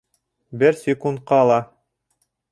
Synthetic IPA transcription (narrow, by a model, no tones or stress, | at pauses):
bɘɾsʲɪkunt̪̚qɑːlˠɑ